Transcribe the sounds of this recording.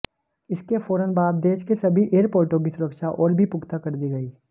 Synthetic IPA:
ɪskefoːɾənbaːd̪̚ːeːʃkesɐbʱiʔeːɾpoːɾʈõk̬isʊɾəkʃaʔɔːɾbʱipʊɡt̪akɐɾd̪iɡɐiː

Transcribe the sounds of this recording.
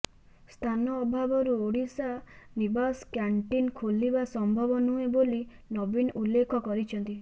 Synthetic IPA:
st̪ʰanɔːbʱabɔɾuoɽisanibaskjaɳʈinkʰolibasɔmbʱɔbɔnueboli | nɔbinulːekʰɔkɔɾit͡ʃʰɔnt̪i

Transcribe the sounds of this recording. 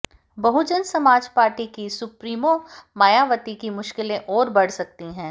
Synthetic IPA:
bɐɦʊd͡ʒənsɐmaːd͡ʒpaːɾʈikisʊpɾiːmomaːjaːʋət̪ikimʊʃkɪlẽʔɔːɾbɐɽ̤sɐk̚t̪iɦɛ̃ː

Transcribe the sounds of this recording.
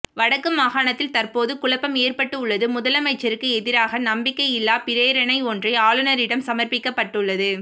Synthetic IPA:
ʋɐɽɐkːɯmaːɣaːɳɐt̪ːɪlt̪ɐrpoːðɯkʊɭɐpːɐmeːrpɐʈːɯʊɭːɐðɯmʊðɐlɐmɐɪt͡ʃːɐɾɯkːɯɛðɪɾaːɣɐnɐmbɪkːɐɪɪlːaːpɪɾeːɾɐnɐɪɔndrɐɪaːɭɯnɐɾɪɽɐmsɐmɐrpɪkːɐpːɐʈːɯɭːɐðɯ

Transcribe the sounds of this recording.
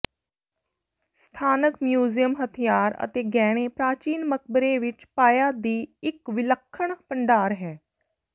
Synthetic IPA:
st̪ʰaːnəkmjuːzijəmɦət̪ʰijaːɾə̰t̪eːɡɛːɽ̃eːpɾaːt͡ʃiːnmək̚ʰbəɾeːʋɪt͡ʃpaːjaːd̪iːɪkʋɪləkʰːəɳ̃pəɳɖaːɾɦɛː

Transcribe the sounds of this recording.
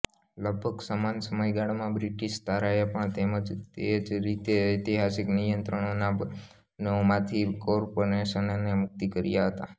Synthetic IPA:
ləɡ̚bʱəɡsəmansəməjɡaɽmãbɾiʈiʃt̪aɾajapəɳt̪eməd͡ʒt̪ed͡ʒɾit̪eit̪iɦasiknijənt̪ɾəɳona | nomãt̪ʰikɔɾpoɾeʃənnemʊk̚t̪ikəɾjaɦət̪a̰

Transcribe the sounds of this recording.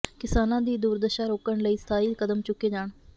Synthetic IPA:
kɪsaːnãːd̪iːd̪uːɾd̪əʃaːɾoːkəɳləiːsə̥t̪ʰaːiːkəd̪əmt͡ʃʊkːeːd͡ʒaːɳ

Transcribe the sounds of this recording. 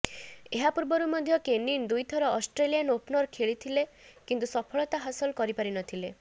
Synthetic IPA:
eɦapuɾbɔɾumɔd̪ʱjɔkenind̪ujt̪ʰɔɾɔɔsʈɾelijanopnɔɾkʰeɭit̪ʰilekint̪usɔpʰɔɭɔt̪aɦasɔlkɔɾipaɾinɔt̪ʰile

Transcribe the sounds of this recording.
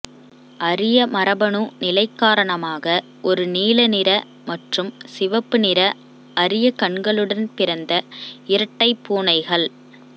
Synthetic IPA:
ʔɐrɪjɐmɐɾɐbɐɳunɪlɐɪkːaːɾɐɳɐmaːɣɐ | ʔɔɾɯniːlɐnɪɾɐ | mɐʈrɯmsɪʋɐpːɯnɪɾɐ | ʔɐɾɪjɐkɐɳɡɐɭɯɽɐnpɪɾɐnd̪ɐɪɾɐʈːɐɪpːuːɳɐɪɣɐɭ

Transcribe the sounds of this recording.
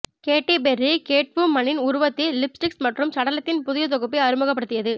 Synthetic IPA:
keːʈːepɛrikeːʈ̚pɯmːɐnːɪnʊɾʊʋɐt̪ːilɪpsʈɪksmɐʈrɯmsɐɽɐlɐt̪ːɪnpʊðʊjɐt̪̬ɔɣɯp̬ːɐɐɾɯmɯɣɐp̬ːɐɽɯt̪ːɪjɐðɯ

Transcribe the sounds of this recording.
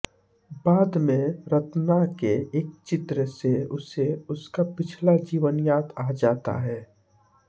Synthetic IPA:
baːd̪mẽɾət̪nakeeːk̚t͡ʃɪt̪ɾəseʊseʊskapɪt͡ʃʰlad͡ʒiːʋənjaːt̪aːd͡ʒaːt̪a̰ɦɛː

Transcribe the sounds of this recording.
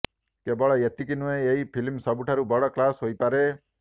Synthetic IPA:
kebɔɭɔjet̪ikinueeipʰilmsɔbuʈʰaɾubɔɽɔklasɦojpaɾe

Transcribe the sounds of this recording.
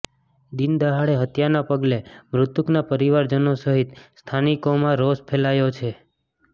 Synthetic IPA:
d̪ind̪əɦaɭeɦət̪janapəɡlemɾʊt̪uknapəɾiʋaɾd͡ʒənosəɦit̪st̪ʰanikomãɾospʰelajot͡ʃʰe

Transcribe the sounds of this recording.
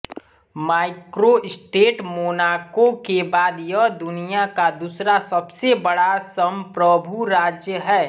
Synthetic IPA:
maːɪkɾoɪsʈeːʈmoːnaːkokebaːd̪jəd̪ʊnijakad̪usɾasɐbsebɐɽasəmpɾəbʱuɾaːd͡ʒjəɦɛː

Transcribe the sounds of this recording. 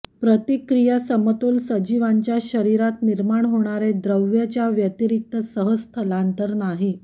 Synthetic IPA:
pɾət̪ikɾijəsəmət̪oːlsəd͡ʑiʋaɲt͡ɕjaɕəɾiɾat̪niɾmaɳɦoɽ̃aɾed̪ɾəʋjət͡ɕjaʋjət̪iɾik̚t̪əsəɦəst̪ʰəlant̪əɾnaɦi

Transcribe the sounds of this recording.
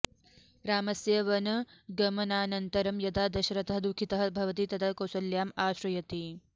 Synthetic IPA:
ɾaːmɐsjɐʋɐnɐɡɐmɐnaːnɐnt̪ɐɾɐmjɐt̪aːd̪ɐʃɐɾɐt̪ɐɦɐd̪ukʰit̪ɐɦɐbʱɐʋɐt̪iːt̪ɐd̪ʰakosɐljaːmaːʃɾɐjɐt̪i

